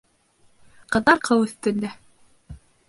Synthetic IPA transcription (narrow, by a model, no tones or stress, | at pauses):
qɤ̆ðɑɾqʰɤwɵ̆θt̪ɵ̆nd̪æ